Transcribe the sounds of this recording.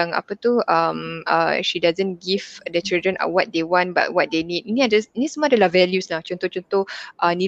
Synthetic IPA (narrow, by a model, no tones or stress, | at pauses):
ŋa̰pat̪uama̰ʃidazə̃nɡivdət͡ʃildɾə̃na̰wɔt̪̚dewɔ̃nba̰t̚wɔt̚denit̚inĩadasinisəmuadalahvɛljuslaht͡ʃɔnt̪ɔht͡ʃɔnt̪ɔhʔəni